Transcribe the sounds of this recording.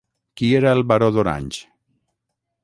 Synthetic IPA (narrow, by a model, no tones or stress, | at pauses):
kieɾalβaɾoðoɾa̰ɲʲt͡ʃ